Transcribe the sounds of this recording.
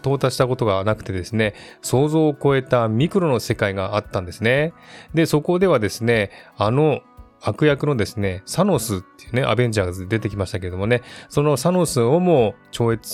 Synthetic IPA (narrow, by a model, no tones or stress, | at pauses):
t̪o̞ːt̪aɕi̥t̪ako̞t̪o̞ɡanakɯ̟̥t̪e̞d̪esɨne̞so̞ːzo̞ːko̞e̞t̪amʲikɯ̟ɾo̞no̞se̞kaiɡaat̪ːãnd̪e̞sɨne̞d̪e̞so̞ko̞d̪e̞β̞ad̪e̞sɨne̞ano̞ | akɯ̟jakɯ̟no̞d̪e̞sɨne̞sano̞sɨt̪ːe̞jɯ̟ne̞ʔa̰bẽ̞ɲ̟d͡ʑaɡad̪e̞t̪e̞kʲimaɕi̥t̪ake̞ɾe̞d̪o̞mo̞ne̞so̞no̞sano̞sɨo̞mo̞t͡ɕo̞ːe̞t͡sɨ̥